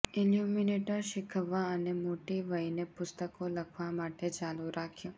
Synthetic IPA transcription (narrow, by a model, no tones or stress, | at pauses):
iljumineʈəɾʃɪkʰəʋːaənemoʈiʋəjnepʊst̪əkoləkʰʋamaʈet͡ʃaluɾakʰjõ